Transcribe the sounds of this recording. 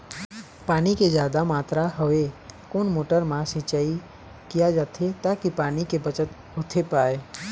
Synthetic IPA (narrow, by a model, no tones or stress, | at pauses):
paːniked͡ʒjaːd̪amaːt̪ɾaɦəʋekoːnmoːʈəɾmãsɪ̃t͡ʃaːi | kijad͡ʒaːt̪ʰet̪akipaːnikebət͡ʃət̪ | ɦot̪ʰepaːeː